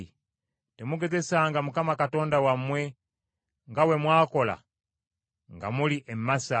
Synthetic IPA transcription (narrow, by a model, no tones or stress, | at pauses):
temuɡezesaŋɡamukamakatondawamwe | ŋɡawemwaːkola̰ | ŋɡa̰muliʔemmːasa